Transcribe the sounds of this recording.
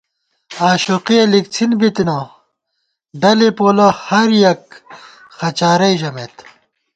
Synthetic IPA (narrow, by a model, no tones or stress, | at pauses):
aːɕuqielik̚t͡sʰinbit̪ino | ɖɐlepoːlohɐɾjɐk̚ | xɐt͡ɕaːɾɐjʑɐmet̪